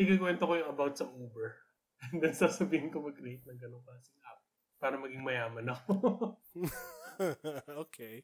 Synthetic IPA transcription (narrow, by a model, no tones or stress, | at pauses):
ɪkɐkwɛnt̪okojʊŋɐbawt̪̚sɐʔoːbɛɹ | nd̪ɛlsaːsɐbiːhɪnkomɐɡ̚kɾejt̪̚nɐŋɡɐnoŋkɐsɪŋap̚ | paːɾɐmɐɡɪŋmɐjaːmɐnɐko | oːkʰej